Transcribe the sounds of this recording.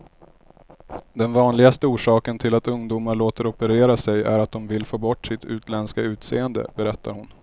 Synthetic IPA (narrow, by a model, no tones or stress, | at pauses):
d̪ɛnvɑːnlɪɡast̪əuːʂɑːkənt̪ʰɪlat̪ɵŋd̪uːmaɭoːt̪əɾɔpəɾeːɾasɛjæɾat̪̚d̪ɔmvɪlfoːbɔʈːsɪt̪ʰʉ̟ːt̪lɛnskaʉ̟ːt̪sḛːənd̪ə̰bɛɾɛt̪ːa̰ɾhʊn